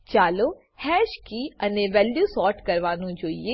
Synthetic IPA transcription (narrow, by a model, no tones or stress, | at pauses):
t͡ʃaːloː | hɛːʃkiːənẽːʋɛːljuːsɔːʈkəɾʋaːnũːd͡ʒoːḭjeː